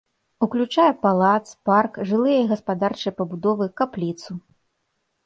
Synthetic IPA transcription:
uklʲut͡ʂajɛpalˠat̪sparkʐɨlˠɨjɐjiɣɐspad̪art͡ʂɨjpɐbud̪ɔvɨkaplʲit̪su

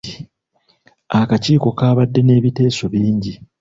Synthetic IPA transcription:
akaciːko̞kaːβadːe̞ne̞ːβite̞ːso̞βiːɲɟi

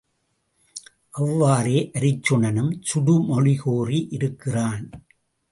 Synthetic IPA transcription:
ʔɐʋːaːreːʔɐɾɪt͡ʃːɯɳɐnɯmsʊɽɯmɔɻɪɣoːriʔɪɾɯkːɪraːn

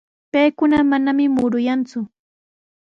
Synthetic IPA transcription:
pejkʊnamanamɪmʊɾʊjant͡sʊ

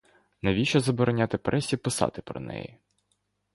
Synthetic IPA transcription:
nɛʋʲiʃɔzɐbɔɾɔnʲat̪ɪpɾʔɛsʲipɪsɑ̰t̪ɪpɾɔ̰nɛ̰ji

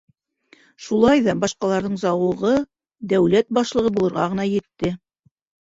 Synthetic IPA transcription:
ʃulˠɑjðɑbɑʃqɑlˠɑɾðɤɴzɑwɤ̆ʁɤ | d̪æwlæt̪̚bɑʃlˠɤ̆ʁɤbulˠɤ̆ɾʁɑʁɤ̆nɑjɘ̆t̪ːɘ

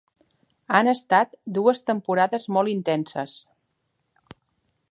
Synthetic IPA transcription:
anəst̪at̪d̪uəst̪əmpuɾaðəzmɔlˠint̪ɛnsəs

